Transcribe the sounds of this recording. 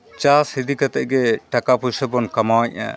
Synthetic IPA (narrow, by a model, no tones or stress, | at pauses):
t͡ʃashid̪ikat̪ɛ̰ʔ̚ɡɛʈakapusəbɔnkamawaɲa̰